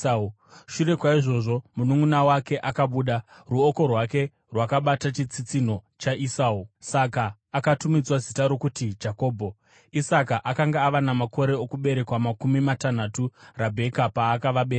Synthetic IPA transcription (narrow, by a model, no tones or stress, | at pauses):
ʃure̞kwaiʐo̞ʐo̞munuŋunawake̞ʔakaɓuːɗa | ruoko̞rwake̞ | rwakaɓatat͡ʃit͡sit͡sino̞t͡ʃaʔisaːusakaː | katumid͡zwazitaɾo̞kutid͡ʒako̞ːbʱo̞ | isakaʔakaŋɡaːʋanamako̞ɾe̞okuɓe̞ɾe̞kwamakumimatanaturabʱe̞kapaːkaʋaɓe̞ːɾe